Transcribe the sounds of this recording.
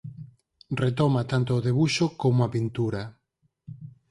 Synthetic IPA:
ret̪ɔmat̪ant̪oːðeβuʃokomoapint̪uɾa

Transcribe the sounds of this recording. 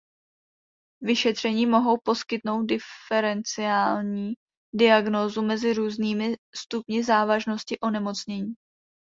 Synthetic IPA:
vɪʃɛt̪r̝̥ɛɲiːmo̞ɦo̞wpo̞skɪt̪no̞wt̪̚dɪɛɾɛnt͡sɪaːlɲiː | dɪaɡno̞ːzumɛzɪɾuːzniːmɪst̪upɲɪzaːvaʒno̞scɪʔo̞nɛmo̞t͡sɲɛɲiː

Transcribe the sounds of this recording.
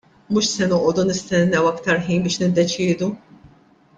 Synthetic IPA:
muːʃsɛnɔʔɔːd̪unɪst̪ɛnːɛwɐkt̪ɐɾħiːnbɪːʃnɪd̪ːɛt͡ʃɪːd̪u

